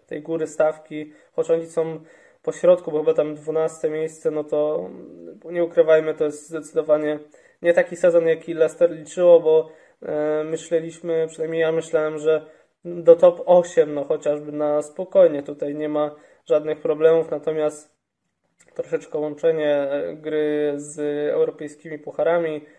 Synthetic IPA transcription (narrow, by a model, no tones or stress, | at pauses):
t̪ɛ̰jɡuɾɘst̪afkʲi | xɔt͡ɕɔɲisɔ̃w̃ | pɔɕɾɔt̪̚kubɔxɘbat̪amd̪vunast̪ɛmʲjejst̪sɛnɔt̪ɔ | ɲɛukɾɘvajmɘt̪ɔjɛst̪zd̪ɛt̪sɘd̪ɔvaɲɛ | ɲɛt̪akʲisɛzɔnjakʲilɛst̪ɛɾlʲit͡ʂɘwɔbɔ | mɘɕlɛlʲiɕmɘpʂɨnajmɲejamɘɕlawɛmʐɛ | d̪ɔt̪ɔpɔɕɛmnɔxɔt͡ɕaʐbɘnaspɔkɔjɲɛt̪ut̪ajɲɛma | ʐad̪nɘxpɾɔblɛmufnat̪ɔmʲjast̪ | t̪ːɾɔʂɛt͡ʂkɛwɔnt͡ʂɛɲɛɡɾɘzɛ̰wɾɔpɛjskʲimʲipuxaɾamʲi